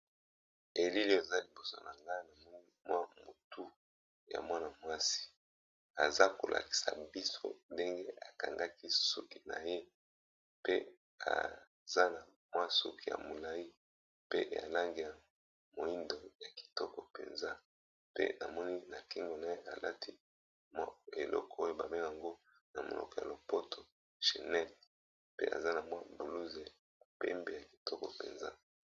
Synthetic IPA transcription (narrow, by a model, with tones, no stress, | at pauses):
e˨li˦li˦˨e˨za˦li˨bo˨so̰˦na˨ŋɡa˦i˦na˨mɔ˦ni˦mwa˦mo˨tu˦ | ja̰˨mwa˦na˨mwa˦si̥˨ | a˨za˦ko˨lʔa̰˨ki̥˨sa̰˨bi˦so̰˦nde˦ŋɡe˦ʔa˨ka˨ŋɡa˦ki˦su˦ki˦na̰˨je˦ | pe˦ | a̰˨ | za˦na˨ | mwa˦su˦ki˦ja̰˨mo˨la˦ji˦ | pe˦ʔa̰˨la˦ŋɡi˨a˨ | mo˨i˦ndo˨ja˨ki̥˨tɔ˦kɔ˨pḛ˨nza˦ | pḛ˦na̰˨mɔ˦ni˦na˨ki˦ŋɡo˨na˨je˦ʔa˨lʔa̰˦tʰi˦ | mwa˦e˨lɔ̰˦kɔ˨o˦jo˨ba˨me˦˨a˨ŋɡo˦ | na˨mo̰˨lʔɔ̰˨kɔ˦ja˨lo˨po˦tʰo˨ | ʃe˨nɛ˦l | pḛ˦ʔa̰˨za˦na˨mwa˦bu˨lu˦ze˨ | pɛ̰˦mbe˦˨ja˨ki̥˨tʰɔ˦kɔ˨pḛ˨nza̰˦